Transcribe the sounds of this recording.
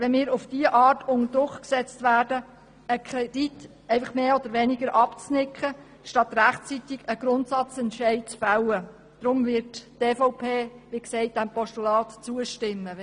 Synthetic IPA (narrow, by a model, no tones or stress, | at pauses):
ʋɛnmɪːɾʊfd̥iəʔɑːtʊnəd̥ɾʊkksɛt͡stvæːɾdə | əkʰɾɛd̥it | ɛɪfɑχmeːɔd̪əɾʋɛnɪɡəɾʔɑpt͡snɪkχə | ʃtɑt̪ɾæχtt͡sit̪ɪɡəɡ̥ɾʊntsɑt͡sɛntʃɛɪt̚t͡sfawə | d̥ɾʊmvɪɾtteːfɔʊpʰeːʋiksɛɪt̚d̥æmpɔʃtulɑːt̪t͡suəʃtɪmːə